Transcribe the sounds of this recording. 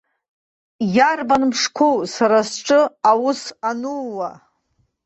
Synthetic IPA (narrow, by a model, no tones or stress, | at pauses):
jarbanmʰʂkʷʰowsaɾasʈ͡ʂʼɨawʊsanuwa